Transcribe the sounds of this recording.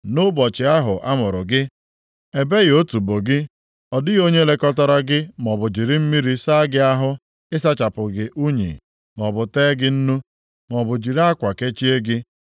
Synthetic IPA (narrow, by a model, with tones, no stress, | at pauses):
nʊ˦bɔ˨t͡ʃɪ˨a˦ɦʊ˨ʔa˦mʊ˨ɾʊ˨ɡɪ˦ | e˨be˦ɣo˦tu˨bo˨ɡɪ˦ | ɔ˨dɪ˦ɣo˦ɲe˦le˦kɔ˦tɔ˦ɾa˦ɡɪ˦m˨ɔ˨bʊ˨d͡ʒi˨ɾi˦m̩˦mi˦ɾi˦sa˦ɡɪ˦a˦ɦʊ˦ | ɪ˦s̬a˦t͡ʃa˨pʊ˨ɡɪ˨ʔu˦ɲḭ˨ | mɔ˨bʊ˨teː˦ɡɪ˦n̩˦nu˦ | mɔ˨bʊ˨d͡ʒi˨ɾa˦kʷa˨ke˦t͡ʃi˦e˦ɡɪ˦